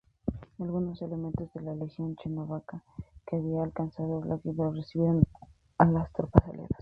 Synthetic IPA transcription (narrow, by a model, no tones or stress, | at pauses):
alɣuno̞se̞le̞mẽnt̪o̞zðe̞lalexjo̞nt͡ʃenoβakakeaβiaːlkansaðolakiβeɾoresiβiɾan | alast̪ɾopasa̰lḛɾas